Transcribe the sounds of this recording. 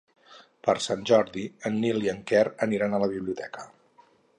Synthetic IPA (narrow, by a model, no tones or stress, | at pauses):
pəɾsanʲʒɔɾðiənːilˠiəŋkɛɾəniɾanələβ̞iβliut̪ɛkə